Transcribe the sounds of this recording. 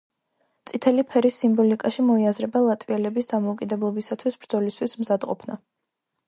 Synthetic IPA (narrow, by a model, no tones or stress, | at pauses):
t̪sʼit̪ʰɛlipʰɛɾisːimbɔlikʼaʃimɔiazɾɛbalˠat̪ʼviɛlɛbisd̪amɔukʼid̪ɛblˠɔbisat̪ʰwisbɾd̪zɔlist̪ʰwismzad̪qʼɔ̰pʰna